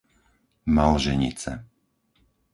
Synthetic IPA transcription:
malʒɛɲḭt͡sɛ

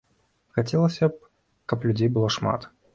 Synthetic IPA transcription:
xat͡sʲɛlˠəsʲɐp̚ | kɐplʲʉd͡zʲejbɨlˠɔʂma̰t̪

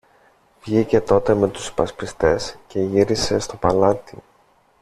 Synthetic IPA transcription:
vʝice̞t̪o̞t̪e̞me̞t̪u̥spɐspist̪e̞sce̞ʝiɾise̞st̪o̞pɐlɐt̪i

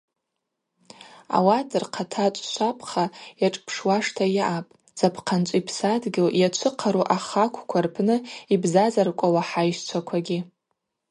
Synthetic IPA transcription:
a̰wadɨrqʰatʰat͡ʃʷʼʃʷapʰʼχajaʈ͡ʂʼpʰʂwaʂtʰajaʔapʼ | z̥apʰqʰant͡ʃʷʼipʰsadɡʲɪljat͡ʃʷʰɨqʰaɾuʔaχakʷʰkʷʰarpʰnɨibzazarkʷʼawaħajʃt͡ʃʷʰakʷʰaɡʲɪ

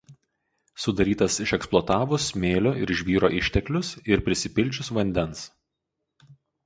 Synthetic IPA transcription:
sʊd̪ɐɾʲiːt̪ɐsɪʃɛksplˠɔːt̪ɑːʋʊsmʲeːlʲoːɪɾɪʃʲʋʲiːɾoːʔɪʃʲt̪ʲɛklʲʊsɪɾpʲɾʲɪsʲɪpʲɪlʲˑt͡ʃʲʊsʋɐnʲd̪ʲɛns

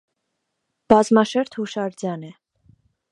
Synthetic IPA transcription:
b̥ɑzmɑʃɛɾt̪ʰhuʃɑɾd͡zjɑnɛ

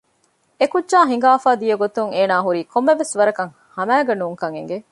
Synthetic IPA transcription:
ekudʒaːɦiŋ̆ɡaːfaːd̪ijɐɡot̪uŋeːnaːɦuɾiːkʰomːeʋesʋɐɾɐkɐŋ | hɐmæːɡɐnuːŋkɐŋḛŋɡe

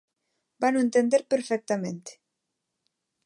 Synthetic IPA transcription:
banoent̪end̪eɾpeɾfek̚t̪amẽnt̪e̥

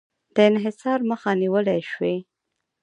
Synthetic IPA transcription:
d̪̥əɪnɦɪsɑɾməxaniwəlajʃwe

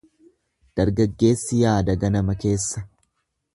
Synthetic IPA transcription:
d̪̥ɐɾɡɐɡːe̞ːsːɪjaːd̪ɐɡɐnɐmɐke̞ːsːɐ

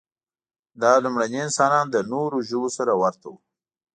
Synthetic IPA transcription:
d̪ɑlumɽaniɪnsɑnɑnd̪ənoɾoʒəbosaɾawaɾt̪awu

